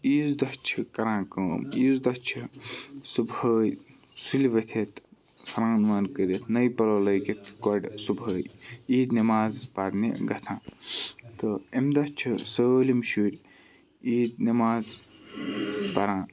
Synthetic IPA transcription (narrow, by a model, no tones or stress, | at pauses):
iːzd̪ɐht͡ʃʰikɐɾãːkəːmiːzd̪ɐt͡ʃʰisubəːj | sulʋɐt̪ʰet̪ | sɾãːnʋɐnkəɾet̪nɐjpɐlolɐjket̪kɔɖsubʱəːjiːd̪nimaːzpaɾniɡɐt͡sʰãː | t̪ɨemd̪ɐt͡ʃʰisəlimʃuːɾʲ | iːd̪nimaːz | pɐɾãː